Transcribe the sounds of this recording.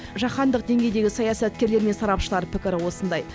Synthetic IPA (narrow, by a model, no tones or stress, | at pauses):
ʒɑχɑnd̪əq̚d̪e̞ŋɡʲe̞jd̪e̞ɡʲɪsɑjɑsɑt̪̚kʲe̞ɾle̞ɾme̞nsɑɾɑpʃəlˠɑɾpʰɪkʲɪɾɪwo̞sənd̪ɑj